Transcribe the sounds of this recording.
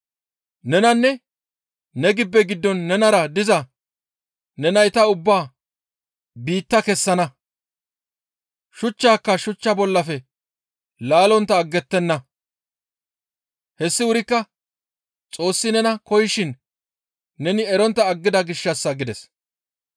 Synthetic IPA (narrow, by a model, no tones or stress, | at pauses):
nɛnɐnːɛ | nɛɡɪbːɛɡɪd̪ːɔnːɛnɐɾɐd̪ɪzɐ | nɛnɐjt̪ɐʊbːaː | biːt̪ːɐkɛsːɐnɐ | ʃʊt͡ʃːaːkːɐʃʊt͡ʃːɐbɔlːɐfɛ | laːlɔnt̪ːɐːɡːɛt̪ːɛnːɐ | hɛsːɪʊɾɪkːɐ | t͡sʼo̞ːsːɪnɛnɐkɔjɪʃɪnː | ɛnɪɛɾɔnt̪ːɐːɡːɪd̪ɐɡɪʃːɐsːɐɡɪd̪ɛs